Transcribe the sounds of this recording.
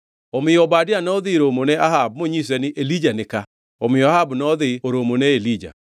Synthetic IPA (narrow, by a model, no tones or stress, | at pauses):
omɪɔbadɪanɔðɪɾomonɛahab̚moɲis̬ɛnɪʔelid͡ʒanɪka | omɪɔahabnɔðɪoɾomonɛelid͡ʒa̰